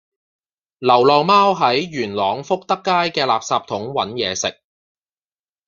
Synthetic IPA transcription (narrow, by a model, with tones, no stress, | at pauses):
lɐ˨˩wlɔː˨ŋmaː˥wɦɐ˨˥jɥyː˨˩nlɔː˨˧ŋfʊ˥k̚t̪ɐ˥kːaː˥jkɛː˧laː˨p̚saː˧p̚t̪ʰʊ˨˥ŋwɐ̰˨˥njɛː˨˧sɪ˨k̚